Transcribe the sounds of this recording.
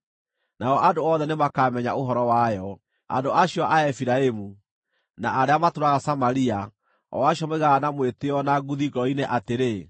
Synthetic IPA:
naɔʔadoɔðɛnemakamɛɲaoɦɔɾɔwajɔ | a̰ndoaɕiɔʔaɛfiɾaemu | naaɾeamatoɾaɣasamaɾia | ɔ̰waɕɔmeɣaːnamweteɔnaɡuðiɣɔineʔateɾe

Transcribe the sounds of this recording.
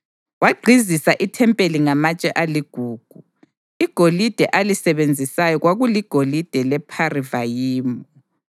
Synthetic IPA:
waɡ͡ǀʱizisaʔitʰɛmpʼeliŋamat͡ʃʼɛʔaliɡ̥ʱuːɡ̥ʱu | iɡ̥ʱolid̥ʱɛʔalisɛβend͡zʱisajɔɣwaɣuliɡ̥ʱolid̥ʱɛlɛpʰarivajiːmu

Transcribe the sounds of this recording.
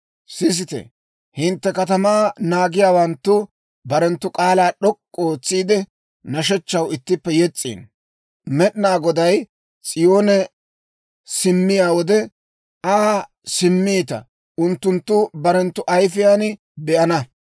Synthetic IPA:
sɪs̬ɪt̪ɛ̰ | hɪnt̪ːɛkɐt̪ɐmaːnaːɡɪjaːwɐnt̪ːʊ | bɐɾɛnt̪ːʊkʼaːlaːɗɔkʼːoːt͡sːiːd̪ɛ | nɐʃ̬ɛt͡ʃːɐwɪt̪ːɪpːɛjɛt͡sʼːḭːn | mɛɗɪnaːɡɔd̪ɐj | t͡sʼɪjo̞ːnɛ | sɪmːɪjaːwɔd̪ɛ | aː | sɪmːiːt̪ɐ̰ | ʊnt̪ːʊnt̪ːʊbɐɾɛnt̪ːʊʔɐjfɪjaːnɪ | bɛʔɐnɐ

